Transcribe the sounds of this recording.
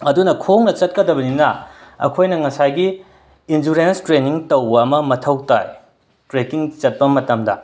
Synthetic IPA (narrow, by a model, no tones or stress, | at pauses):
ɐdunɐkʰoŋnɐt͡ʃɐt̚kɐdɐbɐninɐɐ̰kʰojnɐŋɐsajɡiː | nd͡ʒuɾenstɾeniŋtɐwbɐɐmɐmɐtʰɐwta̰j | tɾekiŋt͡ʃɐt̚pɐmɐtɐmdɐ̰